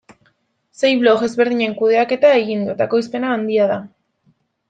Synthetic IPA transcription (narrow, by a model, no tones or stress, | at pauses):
se̞jβlo̞xe̞zβe̞ɾðiɲe̞ŋkuðe̞ake̞t̪ae̞ɣind̪uet̪ako̞jspe̞naːnd̪iaða